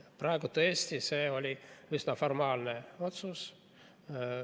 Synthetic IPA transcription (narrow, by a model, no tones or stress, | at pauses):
prɑeɡut̪ɤeesʲt̪ise̞ːo̞lʲiysnɑfo̞rmɑːlneo̞t̪sus